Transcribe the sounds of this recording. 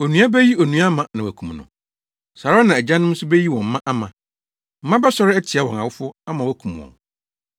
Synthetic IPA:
o˨nũ˦a˦bæ˦ji˦o˨nũ˨a˦mã˨nã˨wæ˨kʰũ˨mnʊ̰̃˨ | sa˨ɾa˦nã˨æ˨d͡ʑã˦nʊ̃˦m̩˦sʊ˦bæ˦ji˦wɔ̃˨m̩˦mã˦ʔa˦mã˨ | m̩˦mã˦bɛ˦sɔ˦ɾɪ˦ɛ˦tʰɪ˨a˦wɔ̃˨na̰˨wʊ˦fʊ˦a˦mã˨wæ˦kʰũ˨m˨wɔ̰̃˨n

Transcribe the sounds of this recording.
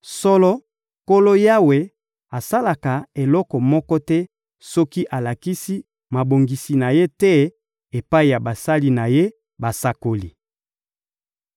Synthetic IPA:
sɔ˦lɔ˦ | ko˦lo˦ja˦we˨ | a˨sa˦la˨ka˨e˨lɔ˦kɔ˨mɔ˦kɔ˦tɛ˦ | sɔ˦ki˦ʔa˨la˨ki˦si˦ | ma˨bo˨ŋɡi˨si˨na˨je˦tɛ˦ | e˨pa˦i˨ja˨ba˨sa˦li˦na˨je˦ | ba˨sa˦ko˨li˨

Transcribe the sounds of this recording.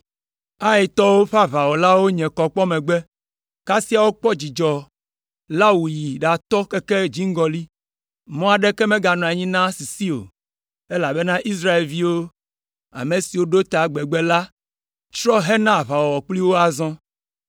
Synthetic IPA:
a˦je˨t̪ɔ˦wo˦ɸa˦βa˨wɔ˨la˦wo˦ɲɛ̃˨kɔ˨k͡pɔ˦mɛ̃˨ɡ͡bɛ˦ | ka˦si˦a˨wo˦k͡pɔ˦d͡ʑi˨d͡ʒɔ˨ | la˦wu˨ji˨ɖa˨t̪ɔ˦kɛ˦kɛ˦d͡ʑi˦ŋ̩˦ɡɔ˨li˦ | mɔ̃˦a˨ɖɛ˦kɛ˦mɛ̃˦ɡa˨nɔ̃˨a˨ɲĩ˦nã˦si˨si˦o̰˨ | e˦la˨bɛ˦nã˦ʔi˦s̬ɾa˦e˨lvi˦wo˦ | a̰˨me˨si˨wo˦ɖo˦t̪a˨ɡ͡bɛ˨ɡ͡bɛ˦la˦ | t͡ʃɾɔ˦ɦɛ˦nã˦˨βa˨wɔ˨ɔ˨k͡pli˦wo˦a˨zɔ̃˦

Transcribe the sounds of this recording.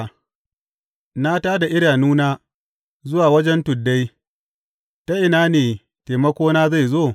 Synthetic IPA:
na˦taː˦da˨ʔɪ˦ɽaː˨nuː˦naː˦ | zʊ˦waː˨wɐ˦d͡ʒɛ˦ntʊ˨dːa˦j | ta˦ʔɪ˨naː˦neː˨ | teː˨mɐ˦kʷoː˦naː˦za˦˨jzoː˦˨

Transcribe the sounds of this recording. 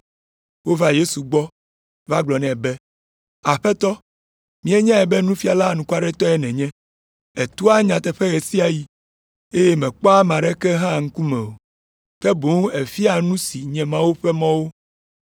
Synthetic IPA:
wo˦va˦je˦su˨ɡ͡bɔ˦ | va˦ɡ͡blɔ˨nɛ̃˨bɛ˦ | a˨ɸɛ˦t̪ɔ˦ | mĩ˦ɛ˦ɲã˦ɛ˨bɛ˦nũ˦fi˦a˨la˦˨nũ˨ku˦a˦ɖɛ˦t̪ɔ˦ɛ˦nɛ̃˨ɲɛ̃˦ | ɛ˨t̪u˦a˦ɲã˨t̪ɛ˨ɸɛ˦ɣɛ˨si˦a˨ji˦ | e˦je˦mɛ̃˨k͡pɔ˦a˦mã˨ɖɛ˦kɛ˦ɦã˦ŋ̩˦ku˦mɛ̰̃˨o˨ | kɛ˦bo˨˦ŋ˦e˨fi˦a˨nũ˦si˨ɲɛ̃˨mã˦wo˦ɸɛ˦mã˦wo˦

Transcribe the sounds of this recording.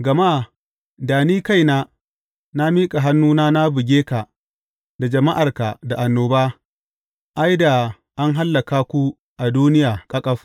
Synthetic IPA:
ɡɐ˨ma˦ | daː˨niː˦ka˦˨jnaː˦ | na˦miː˦kʼa˨ɦa˦nːuː˦naː˦na˦bɪ˨ɡʲeː˦ka˨ | da˨d͡ʒɐ˨ma˦ʔa˨rka˨da˨ʔa˨nːoː˨baː˦ | ʔa˦jda˨ | ʔa˦ŋɦa˦lːɐ˨kaː˦kʷu˦ | ʔa˨duː˦nɪ˦jaː˨kʼɐ˦kʼɐ˦ɸ

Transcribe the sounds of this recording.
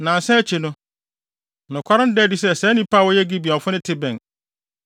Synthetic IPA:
nã˨sɛ˦t͡ɕʰi˨nʊ̃˦ | nʊ̃˨kʷʰa˦ɾã˦n̩˦dɛː˦˨di˦sɛ˦˨sɛ˦nĩ˦pʰaː˦˨wɔ˦jɛ˦ɡi˦bi˨ɔ̃˨fʊ˦nɪ̃˦tʰɪ˦bɛ̃˨n

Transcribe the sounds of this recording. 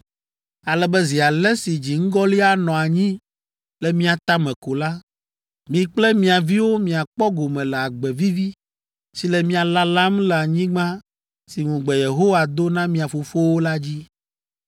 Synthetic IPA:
a˨lɛ˨bɛ˦zi˨a˨lɛ˦si˨d͡ʑi˨ŋ̩˦ɡɔ˦li˦a˦nɔ̃˨a˨ɲĩ˦ | lɛ˨mĩ˦a˨t̪a˦mɛ̃˨ko˨la˦ | mĩ˨k͡plɛ˦mĩ˨a˨vi˦wo˦mĩ˨a˨k͡pɔ˦ɡo˨mɛ̃˨lɛ˨a˨ɡ͡bɛ˨vi˦vi˦ | si˨lɛ˨mĩ˦a˨la˦la˦mlɛ˨a˨ɲĩ˦ɡ͡bã˦ | si˨ŋũ˨ɡ͡bɛ˨je˨ɦo˦wa˨d̪o˦nã˦mĩ˨a˨fo˨fo˦wo˦la˦d͡ʑi˦

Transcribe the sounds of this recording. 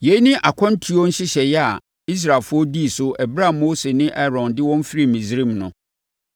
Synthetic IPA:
je˨˦i˦nɪ̃˦ʔa˨kʰɔ̃˦n̩˦tʰu˦ɔ˦n̩˦ɕɪ˦ɕɛ˨jɛ˦a̰˨ | i˦s̬ɾaː˨lfʊ˦ɔ˦di˦˨sʊ˦ʔɛ˨bɾa˦˨moː˦se˨nɪ̃˦ʔɛ˦ɾɔ̃˨ndɪ˦wɔ̃˦m˦fɾi˦mĩ˨zɾĩ˦mnʊ̃˨

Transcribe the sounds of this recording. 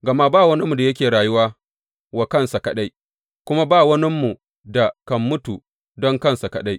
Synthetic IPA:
ɡɐ˨ma˦baː˦˨wɐ˦ni˦mu˨da˨jɐ˦kʲeː˨ɾaː˨jʊ˦waː˦ | wa˨kɐ˦nsa˨kɐ˨ɗa˦j | kʷʊ˦ma˦baː˦˨wɐ˦nɪ˦mːu˨ | da˨kɐ˨mːʊ˦tu˨ | dɔ˦ŋkɐ˦nsa˨kɐ˨ɗa˦j

